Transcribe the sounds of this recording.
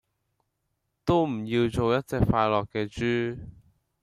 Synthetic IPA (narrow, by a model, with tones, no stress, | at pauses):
t̪o˥wm̩˨˩ji˧wt͡so˨˧wjɐ˥t̚t͡sɛː˨k̚faː˧jlɔː˨˩kːɛː˧t͡ʃyː˥